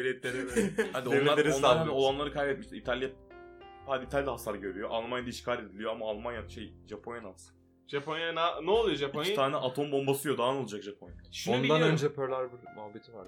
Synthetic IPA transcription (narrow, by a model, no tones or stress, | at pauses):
lɛt̪lʲeɾiad̪ioenmːˠaɾeɾnˠaɾo̞lˠanlˠaɾɯkʰajbɛt̪miʃt̪ʲit̪ʰalʲja | had̪it̪ʰalʲd̪ʲaɦasaɾɯɟø̞ɾyjo̞ʔalˠmanjad̪aiʃkʰaːɾʲe̞d̪ilʲijoamaːlˠmanjaʃejʒapʰonjanasɯ̥ | ʒaponjananɛolˠujoʒapʰont̪ʰaːnɛʔat̪ʰo̞mbo̞mbasɯjo̞d̪aːno̞lˠad͡ʒakʒapʰonjaʃond̪anønd͡ʒɛpʰøɾlʲˠaɾbiɾmuɦabːit̪ʰivaɾ